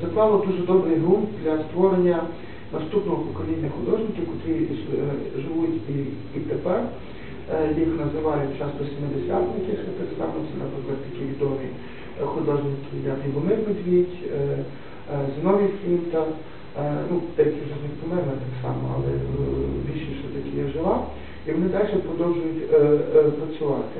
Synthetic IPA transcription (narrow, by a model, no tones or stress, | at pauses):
zɐk̪ʋɑlˠɔd̪uʒɛd̪ɔbɾɪjɦumd̪ʲlʲɐst̪ʋɔɾenʲːɐ | nɐst̪upnɔɦɔpɔkɔlʲinʲːɐxʊd̪ɔʒnʲɪkʲikʊt̪ɾi | ʒɪʋutʲi | it̪epɛr | jixnɐzɪʋɑjʊtʲt͡ʃɑst̪ɔsʲimːɪd̪esʲat̪jɐkʲɪxɐt̪ɐɾst̪ɑmjt͡s̪ʲːɐnɐplɪklˠɐd̪t̪ɐkʲiʋʲid̪ɔʋʲi | xɔd̪ˠɑʒɪjk̪ʲijʲat̪iʋɔnɪbɪd̪ʲʋʲitʲ | znɔʋʲifʲimt̪ɐ | nud̪̥ɛʋʲɛt̪ʲɛʒɛnɛt̪pɔmɛrnɐt̪ɑksɑmɔ̰ɐ̰lˠɛbʲiʃiʃɛt̪ɐkʲɪjaʒɪlˠɑ | iʋɔnɪd̪ɑlʲʃɛpɾɔd̪ɔwʒʊjʊtʲpɾɐt͡sʲʊʋɑt̪ɪ̥